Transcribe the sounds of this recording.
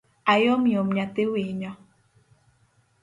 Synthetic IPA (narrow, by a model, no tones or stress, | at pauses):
ajomiomɲat̪ɪwɪɲɔ